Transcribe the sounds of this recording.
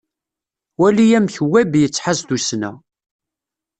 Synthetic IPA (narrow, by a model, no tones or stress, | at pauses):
wælijæmçəwːæbjət͡sːħazd̪usnæ̰